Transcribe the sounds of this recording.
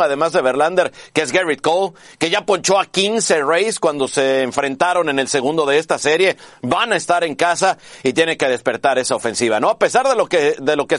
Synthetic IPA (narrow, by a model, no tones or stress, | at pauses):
aðe̞mazðe̞βe̞ɾland̪e̞ɾkeezɡerit̪̚kolke̞ʝapo̞nt͡ʃo̞akinse̞rejskwand̪o̞se̞ːɱfɾe̞nt̪aɾo̞ne̞ne̞lse̞ɣũnd̪o̞ðe̞est̪ase̞ɾje̞banaest̪aɾe̞ŋkas̬ait̪jeneke̞ðe̞spe̞ɾt̪aɾe̞saofe̞nsiβ̞ano̞ape̞saɾðelo̞keðe̞lo̞ke